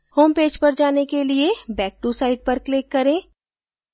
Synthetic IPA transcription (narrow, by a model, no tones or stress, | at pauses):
hoːmpeːd͡ʒpɐɾd͡ʒaːnekeliebɛːk̚ʈusaːɪɖ̚pɐɾklɪkːɐɾẽː